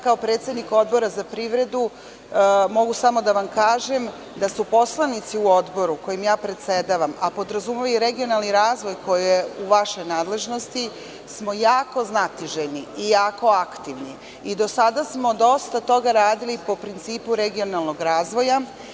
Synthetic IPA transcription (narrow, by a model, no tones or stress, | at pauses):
kaopɾe̞ːt̪se̞d̪niko̞d̪bo̞ɾazapɾiʋɾe̞d̪u | mo̞ɡusamo̞d̪aʋamkaːʒem | d̪asupo̞slˠanit̪siuo̞d̪bo̞ɾuko̞jimjaːpɾe̞t̪sed̪aʋamapo̞d̪ɾazumeiɾe̞ɡio̞nalˠniɾaːzʋo̞jko̞jieuʋaʃo̞jnaːd̪le̞ʒno̞st̪i | smo̞jaːko̞znat̪iʒeniijaːko̞akt̪iʋni | id̪o̞sad̪asmo̞d̪o̞st̪at̪o̞ɡaɾaːd̪ilipo̞pɾint̪siːpuɾeɡio̞nalˠno̞ɡɾaːzʋo̞ja